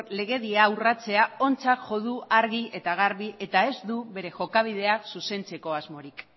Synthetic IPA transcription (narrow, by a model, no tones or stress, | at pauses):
le̞ɣ̞e̞ðiaːwrat͡se̞ao̞nt͡sakʝo̞ðuaɾɣie̞t̪aɣ̞aɾβiʔe̞t̪ae̞zd̪uβe̞ɾe̞ʝo̞kaβ̞ið̞e̞aksuse̞nt͡se̞ko̞azmo̞ɾik